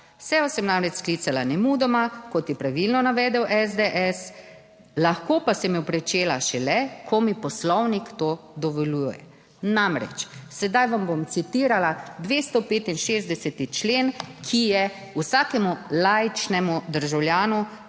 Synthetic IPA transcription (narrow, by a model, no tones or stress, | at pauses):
sɛjɔsɛmnamɾɛt͡ʃsklit̪salanɛmuːd̪ɔmakɔt̪jɛpɾaʋilnɔnaʋɛd̪ɛwʔɛzd̪eʔɛs | laxkoːpasɛmjɛpɾɛt͡ʃeːlaʃɛlɛkʰɔmipɔslɔwnikt̪oːd̪ɔʋɔlujjɛ̰ | namɾɛ̰t͡ʃsɛd̪ajʋambomt̪sit̪iːɾalad̪ʋeːst̪ɔpeːt̪inʃezd̪ɛsɛt̪it͡ʃleːnkʰijɛ | usaːkɛmulajt͡ʃnɛmud̪əɾʒawlʲjaːnu